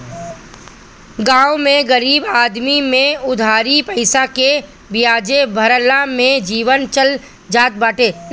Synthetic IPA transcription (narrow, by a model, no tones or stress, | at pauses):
ɡãːʊmẽɡəɾiːbaːd̪mimẽʊd̪ʱaːɾipəɪsake | bijaːd͡ʒebʱəɾəlamẽd͡ʒiːʋənt͡ʃəl | d͡ʒaːt̪̚baːʈeː